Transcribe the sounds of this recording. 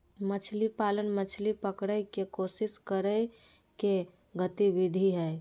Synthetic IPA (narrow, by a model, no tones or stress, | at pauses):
mət͡ʃʰlipalənmət͡ʃʰlipəkɽəjkekosɪskəɾə | ke | ɡət̪iʋid̪ʱiɦɛ